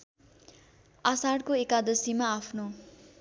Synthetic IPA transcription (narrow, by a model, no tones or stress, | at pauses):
asaɽkoekad̪ʌsimaːpʰno